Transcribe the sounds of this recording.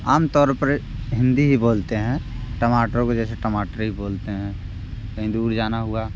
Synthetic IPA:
aːmt̪ɔːɾpəɾ | ɦɪ̃nd̪iɦiboːlt̪eɦɛ̃ː | ʈəmaːʈəɾõkod͡ʒɛːseʈəmaːʈəɾɦiboːlt̪eɦɛ̃ː | ɦɪ̃d̪uːɾd͡ʒaːnaɦʊaː

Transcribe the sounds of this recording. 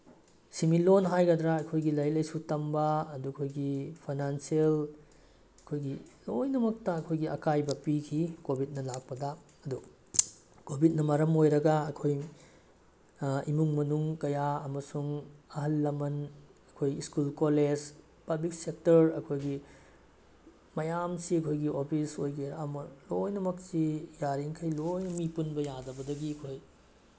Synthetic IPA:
similonɦajɡɐdɾɐɐkʰojɡilɐjlɐjsutɐmbɐːdukʰojɡipʰajnansiel | ɐkʰojɡilojnɐmɐk̚tɐɐkʰojɡiɐkajbɐpikʰikobʱit̚nɐlak̚pɐdɐ | ɐdu | kobʱit̚nɐmɐɾɐmojɾɐɡɐɐkʰoj | imuŋmɐnuŋkɐjaɐmɐsuŋɐɦɐlːɐmɐnɐkʰojiskulkoled͡ʒ | pɐblik̚sek̚tɐɾɐkʰojɡi | mɐjamsiɐkʰojɡiopʰisojkiɾɐmɐlojnɐmɐk̚sijaɾiŋkʰɐjlojnɐmipunbɐjadɐbɐdɐɡiɐkʰoj

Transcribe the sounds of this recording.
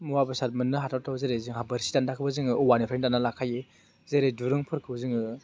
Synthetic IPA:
muwabɯsat̚mɯnːɯɦatʰawtʰawzeɾezɯŋɦabɐɾsi̥dandakʰɯbɐzɯŋɯɔwanipʰɾendanalakʰaje | zeɾeduɾɯŋpʰɯɾkʰɯbzɯŋɯ

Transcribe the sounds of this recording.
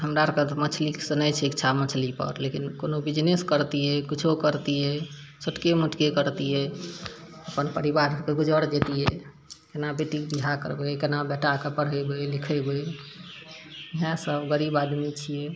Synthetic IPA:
ɦəmɾaɾkət̪mət͡ʃʰliksənəjt͡ʃʰɛkt͡ʃʰamət͡ʃʰlipə̰ɾlekinkonobid͡ʒneskəɾt̪ijɛkit͡ʃʰokəɾt̪ijɛ | səʈkemuʈkekəɾt̪ijɛ | əpənpəɾibaɾkeɡud͡ʒəɽd͡ʒet̪ijɛ | kenabeʈikb̪iɦakə̰ɾbekenabɛʈakepəɽ̤ɦəjbelikʰəbej | iɦãsəbɡəɾibad̪mit͡ʃʰijɛ

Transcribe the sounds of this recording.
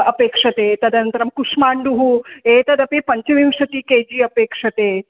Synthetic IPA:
ɐpeːkʂɐt̪eːt̪ɐd̪ɐnt̪ɾɐmkuʂmaːɳɖuɦuet̪ɐd̪ɐpepɐɲt͡ɕɐʋimʂɐt̪iːkeːd͡ʑiːɐpeːkʂɐt̪eː

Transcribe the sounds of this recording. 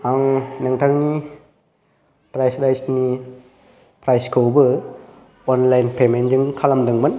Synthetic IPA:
aŋnaŋtʰaŋni | pɾajsɾajsni | pɾajskobɯ | ɔnlajnpʰemend͡ʒɯŋkʰalamdɯŋman

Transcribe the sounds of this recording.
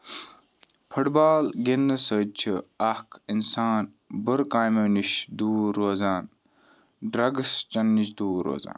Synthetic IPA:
pʰuʈbaːlɡenːɐsət͡ʃʰiɐhkʰinsaːn | bəɾkaːjmɐniʃd̪uːɾoːzaːn | ɖɾɐɡst͡ʃɐnːiʃ̬d̪uːɾo̰ːza̰ːn

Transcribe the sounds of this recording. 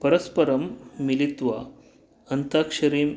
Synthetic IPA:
pəɾəspəɾəmːilit̪ʋa | ənt̪akʂɐɾiːm

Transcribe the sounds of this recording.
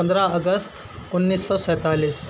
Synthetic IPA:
ənd̪ɾaəɡəst̪ | unːiːsːɔsɛ̃ːt̪aliːs

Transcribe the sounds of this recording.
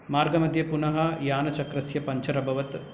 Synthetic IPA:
maːɾɡɐmɐd̪ʱjɐpunɐɦɐjaːnɐt͡ʃɐkɾɐsjɐpɐɲt͡ʃɐɾɐbʱɐʋɐt̪

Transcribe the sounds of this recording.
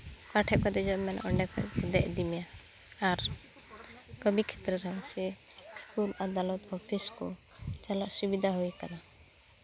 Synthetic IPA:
kaʈʰɛkɔd̪ɛd͡ʒɔmɛnʔɔɳɖɛkɔ̰ʔɔd̪ɛʔd̪imɛja | aɾ | kəbikʰɛ̥t̪ɾəɾaŋsɛ | skulad̪alɔt̪ɔpʰiskɔ̰ | t͡ʃalaʔsubid̪ʱaɦojkana

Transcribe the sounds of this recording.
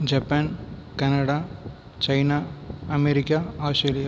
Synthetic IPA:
d͡ʒɐpːankɐnɐɽa | t͡ʃɐjnaːɐmeɾɪkːaaːsʈɾeːlija

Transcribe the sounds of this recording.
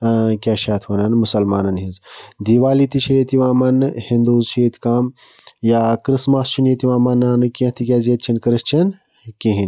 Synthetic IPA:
kʲaʃaːt̪ʰʋɐnɐnmusɐlmaːnɐnɦizd̪iʋaːlit̪iʃʰet̪iʋaːmɐnhind̪uːzʃeːt̪ʰkaːm | jaːkɾɨsmɐst͡ʃʰunit̪iʋaːmɐnːaːnɨkʲẽt̪ʰikʲaːzet̪̚t͡ʃʰinkɾɨst͡ʃʰɐn | kiɦin

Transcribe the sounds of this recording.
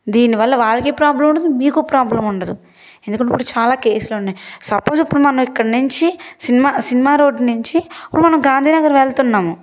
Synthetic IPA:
d̪iːniʋɐlːɐʋaːɭːɐkeːpɾaːblɐmuɳɖɐd̪umiːkupɾaːblɐmuɳɖɐd̪u | end̪ukɐɳipːuɽut͡ʃaːlaːke̞ːsuluunːaːjsɐpːo̞ːsipːuɽumɐnɐmikːɐɽɐnuɲt͡ʃisinimaːsinimaːɾo̞ːɖnuɲt͡ʃiipːuɽumɐnɐmɡaːnd̪ʱiːnɐɡɐɾʋeɭt̪unːaːmu

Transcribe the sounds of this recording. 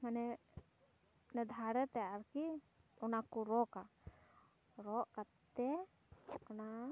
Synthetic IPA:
manɛ | nɛd̪ʱaɾɛt̪ɛaɾki | ɔnakuɾɔka | ɾɔʔkat̪ːɛ | ɔna

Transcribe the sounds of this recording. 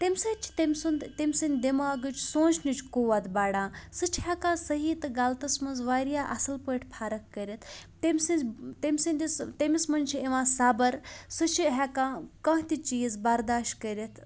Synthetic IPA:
t̪emʲsɐt͡ʃʰi̥t̪emʲsund̪t̪emʲsɨnʲd̪emaːɡɨt͡ʃʰsõːnt͡ʃʰnit͡ʃʰkoʋat̪baːɽãːsɨt͡ʃʰhɛkãːsɐɦiːt̪ɨɡalt̪ɐsmɐnzʋaːɾjaːʔɐsɨlpəʈʰʲpʰaːɾɐkːəɾʲit̪ʰt̪emʲsɨnzt̪emʲsɨnʲd̪ist̪emʲismɐnʲt͡ʃʰieʋãːsaːbɐɾsɨt͡ʃʰiɦɛkãːkɐ̃ɦt̪ʲit͡ʃiːzbɐɾd̪aːʃʈkəɾit̪ʰ

